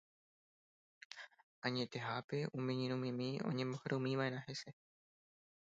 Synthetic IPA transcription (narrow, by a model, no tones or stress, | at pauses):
aɲet̪e̞ɦapeʔumẽɲiɾumĩmĩo̰ɲẽmohɾomĩʋaenãɦese